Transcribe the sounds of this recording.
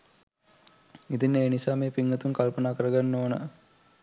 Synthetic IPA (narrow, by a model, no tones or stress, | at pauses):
it̪ineːnisaːmeːpiŋːət̪unkalpənaːkəɾəɡanːoːnə̰